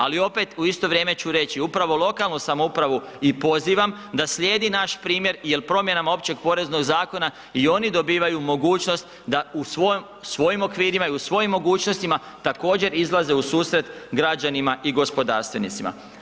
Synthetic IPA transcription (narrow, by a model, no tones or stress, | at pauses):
alio̞pe̞t̪uist̪o̞ʋɾje̞ːme̞t͡ɕuɾe̞t͡ɕiupɾaʋo̞lˠo̞kalˠnusamoupɾaʋuipo̞ziːʋam | d̪asʎʲjeːd̪inaʃpɾiːmje̞ɾjelpɾo̞mje̞namao̞pt͡ɕe̞ɡ̚po̞ɾe̞zno̞ɡzaːko̞na | io̞nid̪o̞biːʋajumo̞ɡuːt͡ʃnost̪ | d̪ausʋom | sʋo̞jimo̞kʋiːɾimaiusʋo̞jimːo̞ɡuːt͡ʃno̞st̪ima | t̪ako̞ːd͡ʑe̞ɾizlˠaze̞usuːsɾe̞t̪ɡɾad͡ʑanimaʔiɡo̞spo̞d̪aːɾst̪ʋe̞nḭt̪sima̰